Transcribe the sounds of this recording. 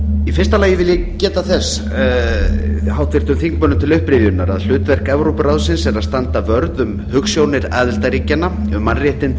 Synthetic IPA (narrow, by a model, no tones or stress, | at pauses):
ifɪrst̪alaːjɪvɪljɛ | cɛːt̪aθɛs | ɦawht̪vɪr̥t̪ʏmθiŋkmœnʏmt̪ʰɪlʏhpɾɪvjʏnːaɾa̰ðl̥ʏːt̪vɛr̥kɛvɾowpʏɾaðsɪnsɛɾaðst̪ant̪avœɾðʏm | hʏksjownɪɾa̰ːðɪlt̪aɾiːcanːaʏmːanrjɛht̪ɪn